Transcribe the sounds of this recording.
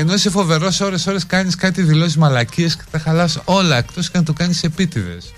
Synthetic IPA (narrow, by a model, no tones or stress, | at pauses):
eno̞sefo̞ve̞ɾo̞so̞ɾe̞so̞ɾe̞skɐɲiskɐt̪iðilo̞sizmɐlɐciesce̥t̪ɐxɐlɐso̞lɐekt̪oscenɐt̪ukɐɲise̞pit̪iðe̞̰s